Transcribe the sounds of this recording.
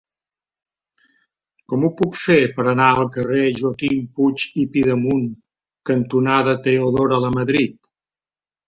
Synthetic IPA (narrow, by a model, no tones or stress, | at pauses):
kɔmupukfepəɾənaəlˠkəreʒuəkimput͡ʃipiðəmuŋ | kənt̪unaðət̪euðoɾələməðɾit̪